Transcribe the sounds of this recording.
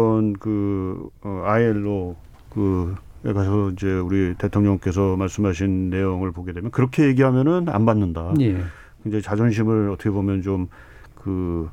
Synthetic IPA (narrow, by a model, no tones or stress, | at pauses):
ʌnkɯ | aeɭːo | kɯekʰaɕʰsʌind͡ʑe̞uɾite̞tʰoŋɲʌŋk͈e̞s̬ʰʌmaɭs͈ɯmɦaɕʰinːe̞joŋɯɭpoɡe̞dwemjʌnkɯɾʌkʰe̞je̞ɡiɦamjʌnɯna̰nbanːɯndaje | kɯnd͡ʑe̞t͡ɕad͡ʑʌnɕ̬ʰimɯɭʌtʰʌkʰeomjʌnt͡ɕom | kɯ